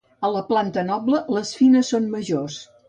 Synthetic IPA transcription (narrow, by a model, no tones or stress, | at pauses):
ələplant̪ənɔblələsfinəsːonməʒos